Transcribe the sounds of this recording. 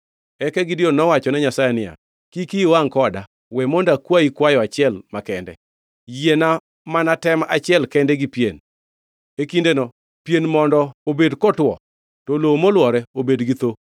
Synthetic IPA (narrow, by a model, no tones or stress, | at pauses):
ɛkɛɡɪdionɔwat͡ʃɔnɛɲasajɛnɪja̰ | kikiwaŋkɔda | wɛmondakwaikwajɔat͡ʃɪɛlmakɛndɛ̰ | jena | manatɛmaʔat͡ʃɪɛlkɛndɛɡipjen | ekindenɔ | pjenmɔndɔobedkɔtwɔ̰ | tolomolwɔɾɛobedɡit̪o